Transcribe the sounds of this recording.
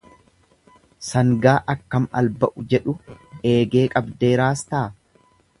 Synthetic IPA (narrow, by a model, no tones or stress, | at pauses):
sɐŋɡaːʔɐkːɐmɐ̰lbɐʔʊd͡ʒɛᶑʊe̞ːɡe̞ːkʼɐbd̪e̞ːɾaːst̪aː